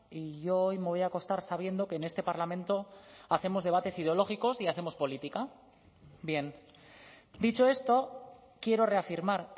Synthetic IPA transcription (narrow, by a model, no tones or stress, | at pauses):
iʝoojme̞βo̞jako̞st̪aɾsaβ̞je̞nd̪o̞ke̞ːne̞st̪e̞paɾlamẽ̞nt̪o̞aθe̞mo̞zðe̞βat̪e̞sið̞eo̞lo̞xiko̞siaθe̞mo̞spo̞lit̪ika | bje̞n | d̪it͡ʃo̞e̞st̪o̞ | kje̞ɾo̞re̞afiɾmaɾ